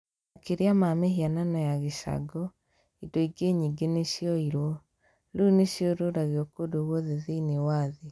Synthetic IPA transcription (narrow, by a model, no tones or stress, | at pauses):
akeɾeamameɦiananɔjaɣeʃa̰ɡɔ | idɔiɡeɲiɡeneɕjɔiɾwɔ | luneɕjɔɾoɾaɣeɔkodoɣɔðeðeinewaːðe